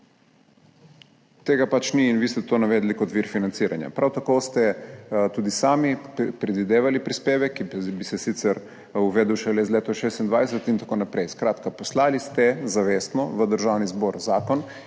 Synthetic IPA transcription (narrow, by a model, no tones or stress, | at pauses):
t̪eːɡapat͡ʃniːnʋiːst̪ɛt̪oːnaʋɛːd̪likɔt̪ʋiɾfinant̪siːɾʔa̰nja̰pɾawt̪akost̪ɛt̪uːd̪isaːmipɾɛd̪ʋid̪eːʋalipɾispeːʋɛkːibisɛsit̪sɛɾ | uʋɛːd̪uwʃɛlɛzlʲeːt̪ɔʃeːst̪ind̪ʋajsɛt̪int̪akoːnapɾɛjskɾaːt̪kapɔslalist̪ɛzaʋeːst̪nɔʋəd̪əɾʒaːwnizbɔːɾzaːkɔn